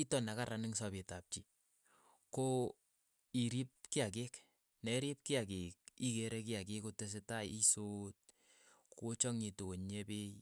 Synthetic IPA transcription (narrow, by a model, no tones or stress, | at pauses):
itɔnakaɾanɪŋsɔbetap̚t͡ʃi | ko | iɾip̚kiakek | nɛɾip̚kiakek̚ikeɾɛk̬iakekotes̬etajisot̚ | kot͡ʃɔŋitooɲepej